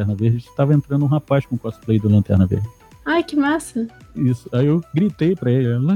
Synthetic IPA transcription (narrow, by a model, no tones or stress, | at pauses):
ɛɾnɐveɦd͡ʒɪɪsɪ̥t̪avɐẽnt̪ɾɐ̃nd̪ʊũɦapajʃkõkɔsplejd̪ʊlɐ̃nt̪ɛ̰hnɐvḛhd͡ʒɪ | ajkɪmasɐisʊaiewɡɾit̪ejpɾɐellɐ̃